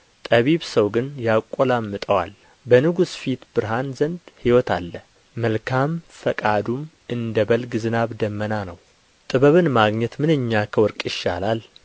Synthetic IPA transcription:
t̪ʼəβiβsəwɡɨnjakʼːɔlamːɨt̪ʼəwa̰l | bənɨɡusfit̪bɨɾɦanzənd̪hiwɔt̪ʰa̰lːə | məlkʰamfəkʼad̪um | ɨnd̪əbəlɡzɨnaβd̪əmːənanəw | t̪ʼɨβəβɨnmaɡɲɛt̪mɨnɨɲːakʰəwɔɾkʼjɪʃːa̰lal

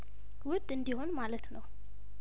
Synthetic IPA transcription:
wʊd̪ɨnd̪iho̞nmalət̪nəw

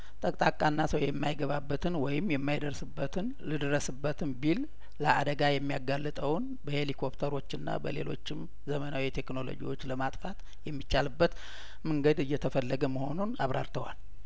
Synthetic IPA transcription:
t̪ʼəkʼt̪ʼakʼːanːasəwjɛmːajɡəβabːət̪ʰɨnwɔjɪmːjɛmːajd̪əɾsɨbːət̪ʰɨn | lɨd̪əɾəsɨbːət̪ʰɨnbil | ləʔa̰d̪əɡajɛmːijaɡalːɨt̪ʼəwn | bəhe̞likʰo̞pt̪ʰəɾo̞t͡ʃːɨnːa̰bə̰le̞̰lo̞̰t͡ʃːɪm | zəmənawit̪ʰe̞kno̞lo̞̰d͡ʒḭwo̞t͡ʃːləmat̪ʼfat̪ | jɛmːit͡ʃːalɨbːət̪ | mɨŋɡəd̪ɨjːɛt̪ʰəfəlːəɡəməho̞nunaβɾʔa̰ɾt̪ʰəwa̰l

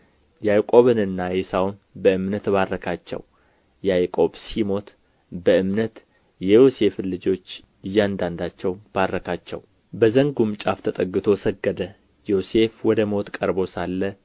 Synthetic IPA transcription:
jajkʼo̞βɨnɨnːajesawnbəɨmnət̪baɾːəkʰat͡ʃːɛ̰w | jajkʼo̞bsimo̞t̪ | bəɨmnət̪ | jɛjose̞flɨd͡ʒo̞t͡ʃː | ɪjːand̪and̪at͡ʃːɛwb̥aɾːəkʰat͡ʃːɛ̰w | bəzəŋɡumt͡ʃʼaft̪ʰət̪ʼəɡːɨt̪ʰo̞səɡːəd̪ə | jose̞fwɔd̪əmo̞t̪kʼəɾbo̞salːə

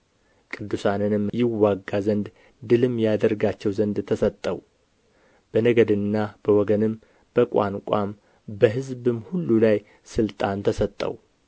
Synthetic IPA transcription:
kʼɨd̪ːusanɨnɨmjɪwːaɡːazənd̪ | d̪ɨlɨmːjad̪əɾɡat͡ʃːɛwzənd̪t̪ʰəsət̪ʼːəw | b̥ənəɡəd̪ɨnːab̥əwɔɡənɨm | b̥əkʷʼa̰nkʷʼam | bəɦɨzbɨmhulːulaj | sɨlt̪ʼant̪ʰəsət̪ʼːə̰w

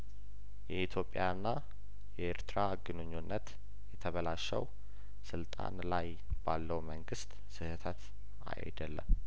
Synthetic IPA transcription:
jɛit̪ʰjo̞pʼːjaɨnːa | jɛeɾt̪ɾaɡɨnɨɲːonːət̪ | jɛt̪ʰəβəlaʃə̰w | sɨlt̪ʼa̰nlaj | b̥alːəwməŋɡɨst̪ | sɨhɨt̪ʰət̪ | a̰j̰d̪əlːə̰m

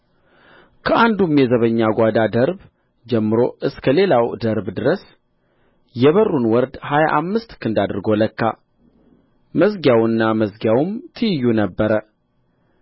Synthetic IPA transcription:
kʰəʔand̪umjɛzəβəɲːaɡʷad̪ad̪əɾb | d͡ʒɛmːɨɾo̞ʔɨskʰəle̞lawd̪əɾbd̪ɨɾəs | jɛβərːunwɔɾd̪haja̰ʔamːɨst̪kʰɨnd̪ad̪ɨɾɡoləkːa̰ | məsɡjawɨnːaməsɡjawmt̪ʰɨjɪjːunəbːəɾə

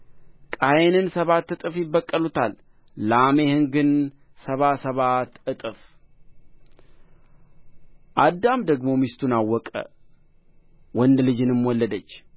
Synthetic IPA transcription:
kʼajnɨnsəβat̪ːɨt̪ʼɨfjɪbːəkʼːəlut̪ʰalː | ame̞hɨŋɡɨn | səβasəβat̪ɨt̪ʼɨf | ʔad̪ːamd̪əɡmo̞mist̪ʰunawːɔkʼə̰ | wɔnd̪lɨd͡ʒɨnɨmwɔlːəd̪ət͡ʃː

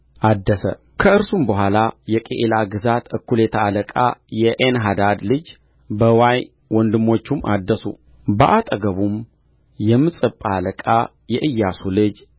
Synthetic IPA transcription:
ʔad̪ːəsə̰ | kʰəɨɾsumbəɦʷalajɛkʼḛʔelaɡɨzat̪ɨkːulet̪ʰaːləkʼa̰jɛʔenɦad̪ad̪lɨd͡ʒ | bəwaj | wɔnd̪ɨmːo̞t͡ʃːumːʔa̰d̪ːəsṵ | bəʔat̪ʼəɡəβum | jɛmːɨsʼɨpʼaːləkʼa | jɛʔɨjːasulɨd͡ʒ

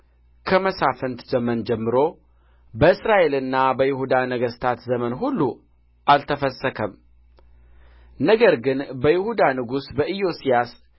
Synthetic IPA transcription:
kʰəməsafənt̪zəmənd͡ʒɛmːɨɾo̞ | bəɨsɾaʔe̞lɨnːabəjɪhud̪anəɡəst̪ʰat̪zəmənɦulːu | ʔalt̪ʰəfəsːəkʰəm | nəɡəɾɡɨnbəjɪhud̪anɨɡusbəʔijo̞sijas

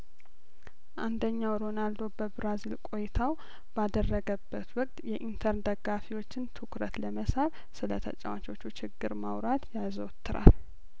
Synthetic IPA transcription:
ʔand̪əɲːawɾo̞nald̪o̞bəbɾazilkʼo̞jɪt̪ʰaw | b̥ad̪ərːəɡəbːət̪wɔkʼt̪jɛʔint̪ʰəɾnd̪əɡafiwo̞t͡ʃːɪnt̪ʰɨkɾət̪ləməsaɾ | sɨlə̰t̪ʰə̰t͡ʃʼɛwat͡ʃʼo̞t͡ʃːut͡ʃɪɡːɨɾmawɾat̪jazəwt̪ːɨɾa̰l

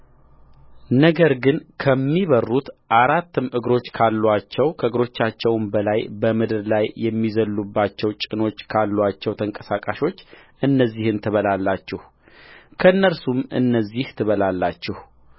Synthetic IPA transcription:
nəɡəɾɡɨnkʰəmːiβərːut̪ʔaɾat̪ːɨmɨɡɾo̞t͡ʃːkʰalːwat͡ʃːɛwkʰəɨɡɾo̞t͡ʃːat͡ʃːɛwmbəlajbəmɨd̪ɨɾlajːɛmːizəlːubːat͡ʃːɛwt͡ʃʼɪno̞t͡ʃːkʰalːwat͡ʃːɛwt̪ʰəŋkʼəsakʼaʃo̞t͡ʃːʔɨnːəzːihɨnt̪ʰɨβəlalːat͡ʃːɛh | kʰəɨnːəlsumɨ̰nːəzːiht̪ʰɨβəlalːat͡ʃːɛh

